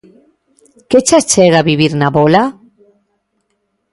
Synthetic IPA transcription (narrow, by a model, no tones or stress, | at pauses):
ket͡ʃat͡ʃeɣaβiβiɾnaβola